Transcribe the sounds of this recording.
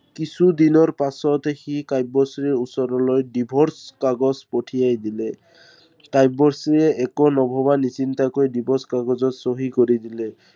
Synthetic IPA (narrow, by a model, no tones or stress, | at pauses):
kisud̪inɔɹpasɔtexikajbɔsɹiɹusɔɾɔlojdibʱɔɹskaɡɔzpɔʈʰijajdilɛ | kajbɔɹsiɛʔɛkɔnɔbʱɔbanisintakojdibʱɔɹskaɡɔzɔtsoɦikoɹidilɛ